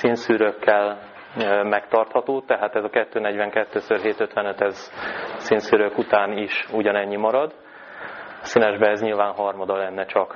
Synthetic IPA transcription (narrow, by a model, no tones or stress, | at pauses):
sinsyːɾøkːɛl | mɛkt̪ɒrt̪hɒt̪oːt̪ɛɦaːt̪ɛzɒkɛt̪ːøːnɛɟʋɛŋkɛt̪ːøːsørɦeːt̪øt̪ʋɛnøt̪ɛzsinsyːɾøkut̪aːniʃuɟɒnɛɲːimɒɾɒd̪ | sinɛʒbɛɛzɲilvaːnɦɒrmɒd̪ɒlɛnːɛt͡ʃɒk